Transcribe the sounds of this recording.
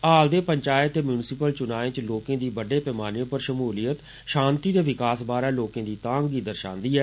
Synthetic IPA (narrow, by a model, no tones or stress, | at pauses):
aːld̪eːpəɲt͡ʃaːɪt̪ːeːmjuːnɪsɪpəlt͡ʃʊnaːẽːt͡ʃloːkẽːd̪iːbəɖeːpɛːmaːnjõːpəɾʃəmuːlijət̪ | ʃãːnt̪iːd̪eːʋɪkaːsbaːɾaːloːkẽːd̪iːt̪ãːŋɡiːd̪əɾʃã̰ːnd̪iːɛː